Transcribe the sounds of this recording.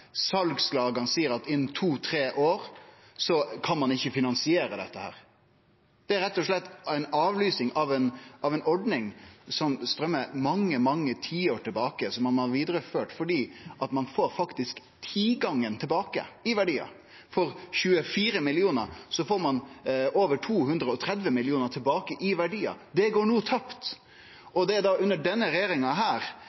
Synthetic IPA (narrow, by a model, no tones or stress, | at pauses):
sɑlɡslɑːɡɑnsiːəɾɑt̪ɪnt̪ʰuːt̪ʰɾeːʔoːɾ | sɔkʰɑnmɑnɪçːəfɪnɑnsɪeːɾəd̪ɛt̪ːəhæ̰ːɾ | d̪̥ɛæɾɛt̪ːɔʂlɛt̪ːæɪnɑːʋlyːsnɪŋʔɑʋɛnʔɑʋɛnɔɖnɪŋsɔmst̪ɾœmːəmɑŋːəmɑŋːət̪ʰiːoʈʰɪlbɑːkəsɔmːɑnɑɾʋiːd̪ɾəføːʈfɔɖiːʔɑt̪mɑnfoːɾfɑkt̪ɪsk | t̪ʰiːɡɑŋːənt̪ʰɪlbɑːkə̰ɪʋæɖiːɑ̰ | fɔɾçʉːəfiːɾəmɪlɪuːnəɾsɔfoːɾmɑnʔoːʋəʈʰuːɦʉnd̪ɾəɔt̪ʰɾɛd̪ʋəmɪlɪuːnəɾʈ̪ʰɪlbɑːkəʔɪʋæɖiːɑ̰d̪ɛɡoːɳuːt̪ʰɑpt̪ | ʔɔd̪ɛd̪ɑʉnːəɖɛnːəɾɛeːɾɪŋɑɦæːɾ